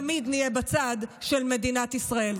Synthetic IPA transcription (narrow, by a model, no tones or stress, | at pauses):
mid̪nijebat͡sad̪ʃelme̞dinat̪isʁae̞l